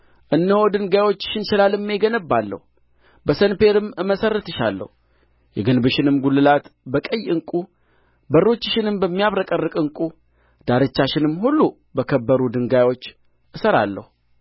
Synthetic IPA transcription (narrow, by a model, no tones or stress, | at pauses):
ʔɨnːəho̞d̪ɨŋɡajwo̞t͡ʃːʃɪnʃɪlalɨmːeɡənəbːalːə̰hu | bəsənpe̞ɾɨmmːəsərət̪ɨʃa̰lːə̰hu | jɛɡɨnbɨʃɪnɨmɡulːɨlat̪bəkʼəjːɨŋkʼu | bərːo̞t͡ʃːɪʃɪnɨmbəmːijaβɾəkʼərːɨkʼɨŋkʼu | d̪̥aɾɨt͡ʃːaʃɪnɨmhulːu | bəkʰəbːəɾud̪ɨŋɡajwo̞t͡ʃː | ʔɨsəɾa̰lːə̰hu